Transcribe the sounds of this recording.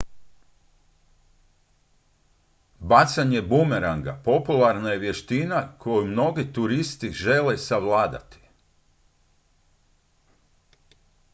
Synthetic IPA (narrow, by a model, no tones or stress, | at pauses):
bat̪saɲe̞bumeɾaŋɡa̰po̞pulˠaɾnaje̞ʋje̞ʃt̪inakʰo̞jumno̞ɡit̪uɾist̪iʒelesaʋlaːd̪a̰t̪i̥